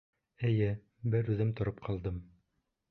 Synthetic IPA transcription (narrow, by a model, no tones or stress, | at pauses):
ɘ̆jɘ | bɘɾʉðɘmt̪ŏɾɤp̚qʰɑlˠd̪ɤm